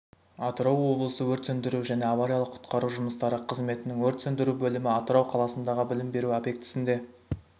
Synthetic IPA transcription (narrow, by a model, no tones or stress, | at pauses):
ɑt̪əɾɑwwo̞blˠəsəwɵɾt̪sɵnd̪ɪɾuʒæne̞ɑvaɾijɑlˠəqʰʊ̥t̪qɑɾuʒʊməst̪ɑɾəqʰəzme̞t̪ɪnɪŋwɵɾt̪sɵnd̪ɪɾubɵlɪmɪɑt̪əɾɑwqʰɑlˠɑsənd̪ɑʁəbɪlɪmbe̞ɾuabje̞k̚t̪ɪ̥sɪnd̪e̞